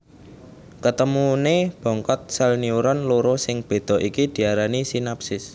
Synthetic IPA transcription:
kət̪əmuneb̥ɔ̤ŋkɔt̪̚sɛlniuɾɔnloɾosɪŋb̥e̤d̪̥ɔ̤ʔikid̪̥i̤aɾanisinap̚sɪs

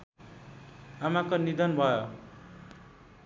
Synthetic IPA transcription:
amakonid̪ʌnbʱʌjo

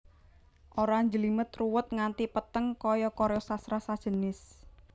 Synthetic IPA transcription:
ʔoɾaɲd͡ʒəlimət̪ruwʊt̪̚ŋant̪ipət̪əŋkɔjɔkɔɾjɔsasɾasad̥ʒ̥ə̤nɪs

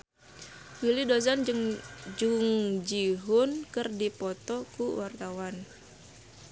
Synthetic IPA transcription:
wilidozanŋd͡ʒuŋd͡ʒiɦʊnkərdipɔt̪ɔkuwart̪awan

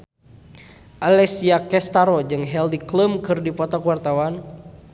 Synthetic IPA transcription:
ʔalɛsiakɛst̪aɾɔd͡ʒɨŋɦɛldikləmkɨrdipɔt̪ɔkwart̪awan

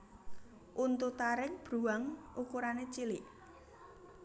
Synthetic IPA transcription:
ʔunt̪ut̪aɾɪk̚b̥ɾuaŋʔukuɾanet͡ʃilɪʔ

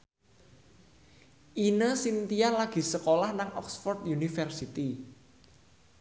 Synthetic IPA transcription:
ʔinəsint̪ijalaɡ̥i̤səkolahnaŋʔɔ̰ksfɔrt̪junifərsit̪i

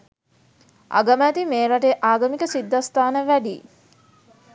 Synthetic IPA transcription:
ʔa̰ɡəmæːt̪imeːɾaʈeʔaːɡəmikəsid̪ːast̪aːnəʋæɖiː

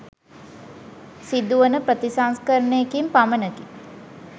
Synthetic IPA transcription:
sid̪uʋənəpɾət̪isanskəɾneːkimpamənəɡi

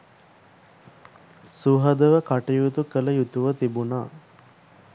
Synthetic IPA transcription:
suɦɐd̪əʋəkaʈijut̪ukələjut̪uʋət̪ibunaː

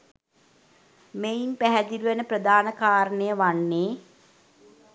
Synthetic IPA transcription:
mejimpæɦæd̪iluʋənəprəd̪aːnəkaːɾənəjəʋanːeː

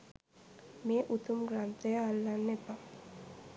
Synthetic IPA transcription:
meːʔut̪umɡɾant̪əjəːlːanːepa

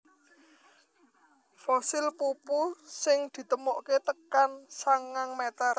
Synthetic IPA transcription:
fosɪlpupusɪŋd̪̥i̤t̪əmoʔket̪əkansaŋːaŋmet̪ər

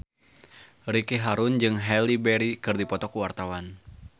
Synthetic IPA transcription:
ɾikiɦaɾund͡ʒɨŋɦɛldibɛɾikɨrdipɔt̪ɔkuwart̪awan

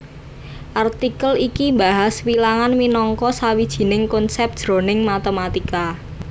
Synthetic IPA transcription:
ʔart̪ikəlikimbaɦaswilaŋanminɔŋkɔsawid̥ʒ̥i̤nɪŋkɔnsɛp̚d̥ʒ̥ɾo̤nɪŋmat̪əmat̪ika

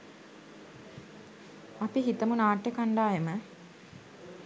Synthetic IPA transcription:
apiɦit̪əmunaːʈjekaɳɖaːjemə

